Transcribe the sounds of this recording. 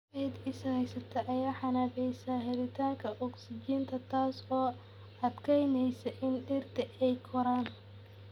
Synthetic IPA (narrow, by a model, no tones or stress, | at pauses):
ɛd̪ɪsɐhɛjsɐt̪ʰɐʔɐjaːħɑnaːfɛjsaːɦɛɾɪt̪ʰaːŋkʰɐʔɔksɪd͡ʒiːnt̪ʰɐt̪ʰaːsɔː | ɐd̪kʰɛjnɛjsɐʔɪnɖɪrt̪ʰɛʔɛjkʰɔɾaːn